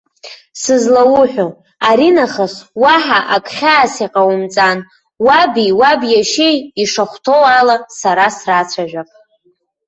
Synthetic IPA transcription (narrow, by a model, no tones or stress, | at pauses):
sɨzlawʊħʷᶣo | aɾinaχaswaħaʔakʷʼχʲaːsiqʼawʊmt͡sʼan | wabiwabjaʃejiʂaχʷtʰo̞walasaɾasrat͡sʷʰaʒᶣʷaqʼ